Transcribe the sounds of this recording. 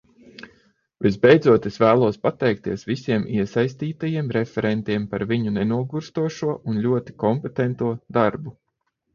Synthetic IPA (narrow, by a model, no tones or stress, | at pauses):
vizbɛjd̪zuɔt̪esvæːlˠuɔspat̪ɛjk̚t̪iɛsʋisiɛmiɛsajst̪iːt̪ajiɛmɾefʲɛɾɛnt̪iɛmpaɾviɲunɛnuɔɡuɾst̪uɔʃuɔʔunʎʲuɔt̪i̥kɔmpet̪ɛnt̪uɔd̪aɾbu